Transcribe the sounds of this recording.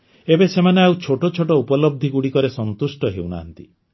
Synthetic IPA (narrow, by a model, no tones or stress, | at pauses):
ebesemaneaut͡ʃʰoʈot͡ʃʰoʈɔupɔlɔb̚d̪ʱiɡuɽikɔɾesɔnt̪usʈɔɦewna̰ːnt̪i